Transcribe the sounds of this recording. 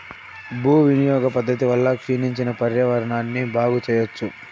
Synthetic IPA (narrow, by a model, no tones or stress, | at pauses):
bʱuːʋinijɔːɡɐpɐd̪ʱːɐt̪̬iʋɐlːɐkʂiniɲt͡ʃinɐpɐɾjɐʋɐɾɐɳaːnːibaːɡut͡ʃɛːjɐt͡ʃːu